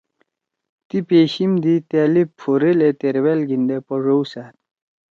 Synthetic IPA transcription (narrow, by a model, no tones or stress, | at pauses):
t̪ipeːɕimd̪it̪eːlipfʰoɾelet̪eɾwelɡind̪epɔʐowsaːt̪